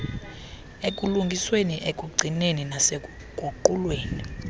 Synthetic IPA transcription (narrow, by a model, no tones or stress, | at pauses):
ekʼuluŋɡʱisweniʔekʼuɡ͡ǀʱineninasɛ | kʼuǃulweːni